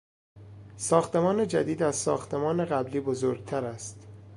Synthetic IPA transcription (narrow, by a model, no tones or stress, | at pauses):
sɒːxt̪e̞mɒːne̞d͡ʒæd̪iːd̪æz̥sɒ̰ːxt̪ʰe̞mɒːne̞ɣæbliːbozoːɾɡ̚t̪ʰæɾæst̪